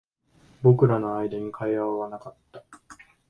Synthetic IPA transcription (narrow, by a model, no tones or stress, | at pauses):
bo̞kɯ̟ɾano̞aid̪aɲ̟ikʰaiaβaβanakat̪ːa